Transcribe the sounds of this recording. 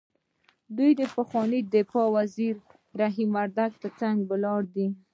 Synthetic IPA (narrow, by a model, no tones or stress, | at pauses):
d̪ujd̪əpəxwɑnid̪ɪfɑwaziɾ | ɾaɦimaɾd̪aɡ̚t̪əɾt͡saŋɡbəlɑɽd̪i